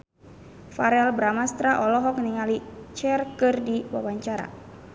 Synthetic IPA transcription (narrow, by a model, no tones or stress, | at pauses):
faɾɛlbɾamast̪ɾaʔɔlɔɦɔk̚niŋalit͡ʃɛrkɨrdiwa̰waɲt͡ʃaɾa̰